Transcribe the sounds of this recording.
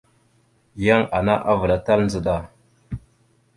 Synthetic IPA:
ja˦ŋa˨na˦ʔa˦və˨la˦ta˦ln˦d͡zə˨ɗa˨

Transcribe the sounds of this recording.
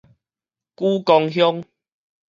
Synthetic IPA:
ku˦kɔ˧ŋɦjɔ˦ŋ

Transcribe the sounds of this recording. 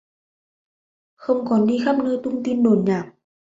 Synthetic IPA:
xə˧wŋ͡mkɔ˨˩˦nɗi˧xaː˦˥p̚nəː˧jt̪ʊ˧ŋ͡mt̪i˧nɗo˨˩˦nɲaː˨˩m̚

